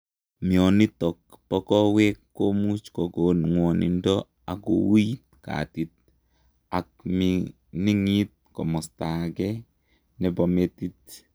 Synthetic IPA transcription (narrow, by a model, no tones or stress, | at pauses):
miɔnitɔk̚pɔkɔwɛkːomut͡ʃkɔkonŋwɔnḭndɔ | akṵwit̚ka̰tit̚ | ak̚mi | niŋit̚kɔmɔstakɛ | nɛbɔmetit̚